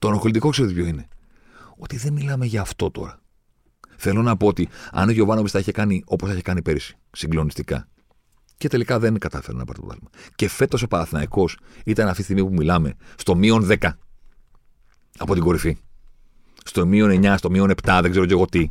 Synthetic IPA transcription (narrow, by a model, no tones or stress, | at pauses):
t̪onoxolit̪ikokseeðipʰʲo̞ine̞ | o̞t̪iðe̞nmilɐmeʝɐːft̪o̞t̪o̞̰ɾɐ | θe̞lo̞nɐpo̞ot̪iɐ̰noʝo̞vɐnopisθɐeçekɐnio̞poseçekɐnipeɾisi̥siŋɡlo̞nist̪ikɐ̰ | ce̞t̪e̞likɐðe̞nkɐt̪ɐfeɾonɐpɐ̰ɾt̪po̰t̪limɐce̞fe̞t̪o̞sepɐːθinɐiko̞sit̪ɐnɐft̪isiɣmipumilɐme̞st̪o̞mio̞nðe̞kɐ | ɐ̰po̞t̪iŋɡo̞ɾifi | st̪o̞mio̞ne̞ɲɐst̪o̞mio̞ne̞pt̪ɐðeɡze̞ɾo̞ceɣo̞t̪i